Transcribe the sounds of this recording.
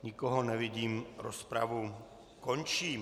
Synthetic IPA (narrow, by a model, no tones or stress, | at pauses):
ɲikoɦonɛvɪɟiːmɾospɾa̰vu | kont͡ʃiː